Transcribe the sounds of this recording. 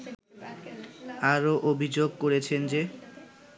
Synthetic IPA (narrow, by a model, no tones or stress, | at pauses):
aɾoʔobʱid͡ʑoɡ̚koɾet͡ɕʰend͡ʑe